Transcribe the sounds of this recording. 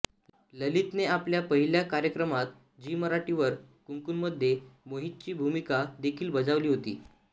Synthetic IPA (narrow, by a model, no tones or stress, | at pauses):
ləlit̪neapljapəɦiljakaɾjəkɾəmat̪ | d͡ʑiːməɾaʈiʋəɾkuŋkunməd̪ʱːjemoɦit̪̚t͡ɕiːbʱumikad̪ekʰiːlbəd͡zaʋliːɦot̪ḭː